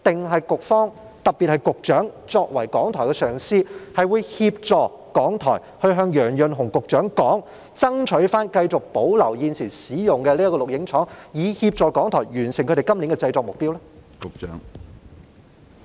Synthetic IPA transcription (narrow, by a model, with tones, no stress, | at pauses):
t̪ɪ˨ŋɦɐ˨jkʊ˨k̚fɔː˥ŋ | t̪ɐ˨k̚piː˨t̚hɐ˨jkʊ˨k̚t͡ʃœː˨˥ŋt͡ʃɔː˧k̚wɐ˨˩jkɔː˨˥ŋt̪ʰɔː˨˩jkɛ˧sœː˨˩ŋsiː˧hɐ˨jwuː˨˧jhiː˧p̚t͡sɔː˨ | kɔː˨˥ŋt̪ʰɔ̰ː˨˩j | hɵ˧ɥɦœː˧ŋjœː˨˩ŋjɵ˨nɦʊ˨˩ŋkʊ˨k̚t͡ʃœː˨˥ŋkɔː˨˥ŋ | t͡sɐ˥ŋt͡ʃʰɵ˨˥ɥfaː˥nkɐ˧jt͡sʊ˨k̚po˨˥wlɐ˨˩wjiː˨˧nsʰiː˨˩nsiː˨˥jʊ˨˩ŋkɛː˧liː˥ɐ˥kɔː˧lʊ˨˩k̚jɪ˨˥ŋt͡ʃʰɔː˨˥ŋjiː˨˧hiː˧p̚t͡sɔː˨kɔː˨˥ŋt̪ʰɔː˨˩jɥyː˨˩nsɪ˨˩ŋʰɵ˧ɾe˨˩kɐ˥mli˨˥nŋkɛː˧t͡sɐ˧jt͡sɔː˧k̚mʊ˨k̚pi˥wlɛ˥kʊ˨k̚t͡ʃœ̰ː˨˥ŋ